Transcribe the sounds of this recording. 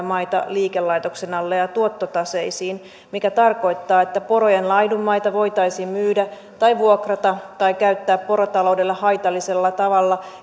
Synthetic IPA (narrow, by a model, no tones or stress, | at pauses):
mɑjt̪ɑ̰liːkelːɑjt̪o̞ksenɑlːejɑt̪uot̪ːot̪ɑse̞jsiːn | mikæt̪ɑrko̞jt̪ːɑːe̞t̪ːæpo̞ɾojenlɑjdumːɑjt̪ɑʋo̞jt̪ɑjsiːmmyːdæ | t̪ɑjʋuokrɑt̪ɑt̪ɑjkæyt̪ːæːppo̞ɾot̪ɑlo̞wde̞lːɑhɑjt̪ɑlːise̞lːɑt̪ɑʋɑlːɑ